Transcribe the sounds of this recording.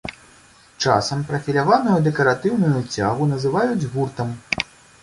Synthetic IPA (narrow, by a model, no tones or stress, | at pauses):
t͡ʂa̰sɐmpɾɐfʲilʲavanujud̪ɛkɐɾat̪ɨwnujut͡sʲa̰ɣunɐzɨvajud͡zʲɣurt̪ɐm